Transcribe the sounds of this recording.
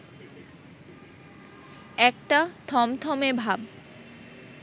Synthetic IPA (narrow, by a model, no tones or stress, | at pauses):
ɛk̚ʈat̪ʰɔmt̪ʰɔmebʱab